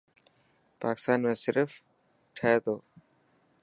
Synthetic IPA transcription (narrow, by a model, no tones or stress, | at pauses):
paːkɪ̥st̪anmesiɾf | ʈʰɛt̪o